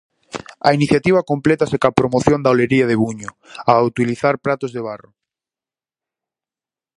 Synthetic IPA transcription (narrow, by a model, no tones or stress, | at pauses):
ɐ̰iniθjat̪iβ̞ɐkomplet̪asekapɾomoθjond̪aoleɾiaðeβuɲʊ | awt̪iliθaɾpɾat̪ozðeβ̞arʊ